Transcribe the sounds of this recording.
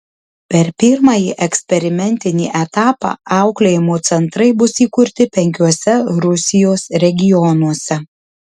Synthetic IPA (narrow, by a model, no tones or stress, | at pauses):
pʲɛɾpʲɪɾmɑːjiːʔɛksʲpʲɛɾʲɪmʲɛnʲt̪ʲɪnʲḭːʔɛt̪ɑːpɑ̰ːʔɑˑʊklʲeːjɪmoːt̪sʲɛnt̪ɾɐɪbʊsiːkʊɾʲt̪ʲɪpʲɛŋʲkʲuɔsʲɛɾʊsʲɪjoːsɾʲɛɡʲɪjɔnuɔsʲɛ